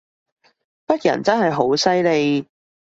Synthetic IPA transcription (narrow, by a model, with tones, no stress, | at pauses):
pɐ˥t̚jɐ̰˨˩nt͡sɐ˥nɦɐ˨˩jɦo˨˥wsɐ˥jle˨˧j